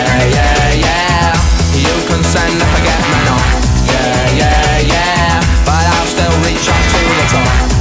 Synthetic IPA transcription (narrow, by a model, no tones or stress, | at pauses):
jæ | jæ | jɨkʰə̃nsɛ̃ndəfəɡɛt̚manət | jæ | jæ | jæ | b̥ʌɾaɪlˠstɪlˠɹit͡ʃʌtʰuðətʰɔ̃